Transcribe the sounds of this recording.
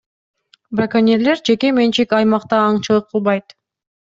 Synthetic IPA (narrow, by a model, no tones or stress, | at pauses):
brakanʲeɾle̞ɾd͡ʒe̞ke̞me̞nt͡ʃikɑjmɑqt̪ɑːɴt͡ʃɯlˠɯq̚ʰːɯlˠbɑjt̪